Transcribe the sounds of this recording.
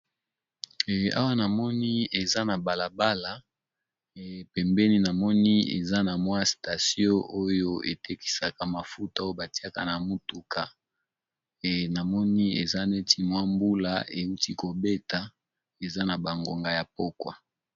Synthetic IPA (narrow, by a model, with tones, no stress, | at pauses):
a̰˦wa˦na˨mɔ˦ni˦e˨za˦na˨ba˨la˨ba˦la˨ | pɛ˨mbɛ˦ni˦na˨mɔ˦ni˦ḛ˨za˦na˨mwa˦sta˨sjõ˦ʔo˦jo˦ḛ˨tɛ˦ki̥˨sa˨ka˨ma˨fu˦ta˦jo˦ba˨ti˦a˦ka˨na˨mu˦tu˨ka˨ | na˨mɔ˦ni˦ḛ˨za˦ne˦ti˦mwa˦mbu˦la̰˦e˨u˦ti˦ko˨be˦ta˨ | e˨za˦na˨ba˨ŋɡo˨ŋɡa˨ja˨po˦kwa̰˨